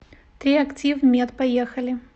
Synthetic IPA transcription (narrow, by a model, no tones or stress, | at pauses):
t̪ɾʲiɐktʲivmʲet̪pɐjexɐlʲɪ